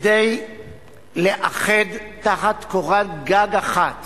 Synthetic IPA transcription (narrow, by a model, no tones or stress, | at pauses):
dej | leʔaχedtaχat̪koʁatɡaɡaχat̪